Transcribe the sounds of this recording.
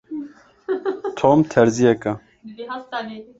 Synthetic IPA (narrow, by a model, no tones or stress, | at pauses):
t̪ʰoːmt̪ʰɛɾzijɛkɐ